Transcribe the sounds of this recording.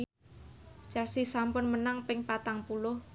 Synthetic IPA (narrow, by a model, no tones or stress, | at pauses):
t͡ʃarsisampʊnmənaŋpɪŋpat̪aŋpulʊh